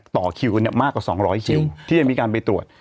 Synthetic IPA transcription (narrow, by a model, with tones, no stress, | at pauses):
t̪ɔː˨˩kʰi˧wni˥˩ɐmaː˥˩kwaː˨˩sɔː˩˦ŋɾɔː˦˥jkʰi˧wt̪ʰiː˥˩a˨˩miː˧kaː˧npa˧jt̪ɾu˨˩ət̪̚